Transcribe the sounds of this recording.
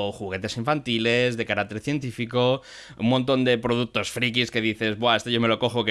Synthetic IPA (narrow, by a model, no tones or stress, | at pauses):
xuɣ̞e̞t̪e̞siɱfant̪ilezðe̞kaɾak̚t̪eɾθje̞nt̪ifiko | ṵmõnt̪̬o̞nd̪e̞pɾoð̞uk̚t̪o̞sfɾikiske̞ðiθe̞zbwae̞st̪oʝomeloko̞xoke